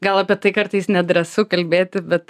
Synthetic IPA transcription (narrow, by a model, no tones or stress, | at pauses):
ɡɐlˠɐpʲiɛt̪ɐɪkɐɾt̪ɐɪsnʲɛd̪ʲɾʲɐsʊkɐlʲbʲeːt̪ʲɪbʲɛt̪